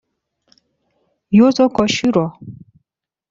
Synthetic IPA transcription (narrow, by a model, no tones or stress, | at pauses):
jot͡sɔkɔʃiɾɔ